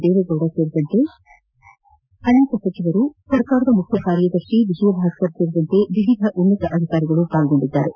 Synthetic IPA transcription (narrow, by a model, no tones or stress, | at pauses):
d̪eːʋɐɡ̪ɐwɽaseːɾid̪ɐnt̪e̞ | ɐneːkɐsɐt͡ʃiʋɐɾusɐɾkaːɾɐd̪ɐmukʰjɐkaːɾjɐd̪ɐɾʂiʋiʃʋɐbʱaːɡtɐɾse̞ːɾid̪ɐnt̪e̞ʋiʋid̪ʱɐʔunːɐt̪ɐʔɐd̪ʱikaːɾiɡɐɭupaːlɡo̞ɳɖid̪ːa̰ːɾe